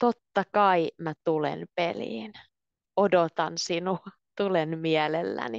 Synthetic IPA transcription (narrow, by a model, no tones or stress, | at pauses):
t̪ot̪ːɑkɑimæt̪ulḛnpelḭːn | odot̪ɑnsinuɑ | t̪ulenmiælelːæ̰ni